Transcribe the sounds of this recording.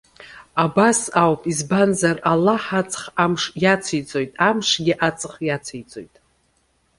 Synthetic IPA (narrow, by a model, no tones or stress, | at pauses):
abasawpʼizbanzaralaħat͡sʼχamʂjat͡sʰit͡sʼo̞jtʼamʂɡʲiʔat͡sʼɨχjat͡sʰijt͡sʼojtʼ